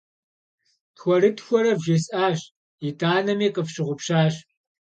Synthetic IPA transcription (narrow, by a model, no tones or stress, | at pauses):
txʷɔɾɨtxʷɔɾɐvʒɪsʼaːʒ | itʰaːnɐmiːqəfɕɪʁʷʊpʃɕaːɕ